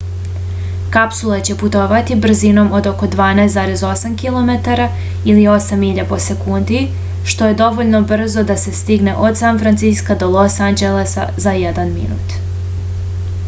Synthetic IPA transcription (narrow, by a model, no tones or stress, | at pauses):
kapsulˠet͡ɕe̞put̪o̞ʋat̪ibr̩zino̞mo̞d̪o̞ko̞d̪ʋaːnajst̪zaːɾe̞zo̞samkilˠo̞me̞t̪aɾa | ilio̞samiʎapo̞se̞kund̪i | ʃt̪o̞je̞d̪o̞ʋo̞ʎno̞br̩zo̞d̪ase̞st̪iɡne̞ʔo̞d̪sanfɾant̪siskad̪o̞lˠosand͡ʑele̞sa̰zajed̪anmḭnṵːt̪